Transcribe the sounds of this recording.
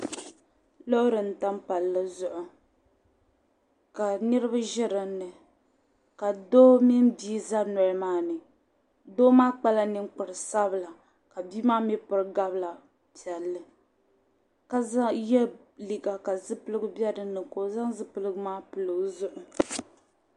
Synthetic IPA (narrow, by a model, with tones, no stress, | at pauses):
lo˦ɾɨ˨n̩˨ta˦m˦pa˨lːɨ˦zʊ˦ʔʊ˨ | ka˨nɨ˦ɾɨ˦ba˦ʒɪ˦ɾɨ˨nɨ˨ | ka˨doː˦mi˦n˦biː˦za˦nɔ˨ɾmaː˦nɨ˨ | doː˦maː˦k͡pa˦la˦nɨ˦ŋk͡pʊ˨ɾɨ˨sa˦bɨ˨la˨ | ka˨biː˦maː˦mi˦pɨ˨ɾɨ˦ɡa˦bla˨ | pi˨ɛ˨lːɨ˨ | ka˨za˦jɛ˦ | li˨ɡa˨ka˨zɨ˦pɨ˦lɨ˦ɡɨ˦bjɛ˦dɨ˨nɨ˨ko˨˦za˦ŋzɨ˦pɨ˦lɨ˦ɡʊ˦maː˦pɨ˨lɨ˨ɡzʊ˦ʔʊ˨